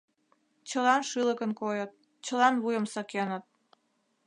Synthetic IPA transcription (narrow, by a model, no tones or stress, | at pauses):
t͡ɕəlɑnʃɨləkənkojət̪̚ | t͡ɕəlɑnβujəmsəkenə̆t̪̚